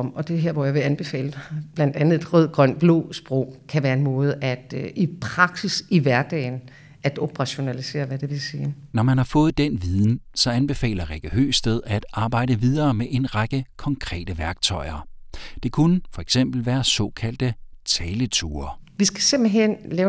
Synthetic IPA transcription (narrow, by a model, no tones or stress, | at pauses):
ɒm̰ɒ̽d̥e̝ɦeɐʋɒjɑ̈ʋe̝ænb̥e̝fɛ̰ːlb̥læn̰d̥ænð̩ˠe̝d̥ʁœð̞̰ˠɡ̥ʁɶn̰b̥lo̰ːsb̥ʁɔʊ̰kʰæʋæːɐe̝nmɔ̽ːð̞̩ˠæd̥ipʰʁɑ̈ɡ̥sisiʋæɐd̥ɛ̰ɪn | ʔæd̥ob̥ʁɑ̈ɕo̝nælise̝̰ːɐʋæd̥e̝ʋe̝lsiːnɒmænhɑ̈fɔ̽ːð̞̩ˠd̥enʋiðˠn̩sɒ̽ænb̥e̝fɛ̰ːlɐʁeɡ̥iø̰ːsd̥eð̞ˠæd̥ɑ̈ːb̥ɑ̈ɪ̰d̥əʋið̞ˠɐːmeʔe̝nʁɑ̈ɡ̥əkʰɒ̽ŋkʰʁɛ̰ːd̥əʋæɐɡ̥t͡sʰɒ̽ɪɐd̥e̝kʰunəfɒ̽eɡ̥sem̰b̥l̩ʋæːɐsɒ̽kʰæl̰d̥ət͡sʰɛːlət͡sʰuːɐʋisɡ̥æse̝m̰b̥l̩ɦen̰lɛːʊ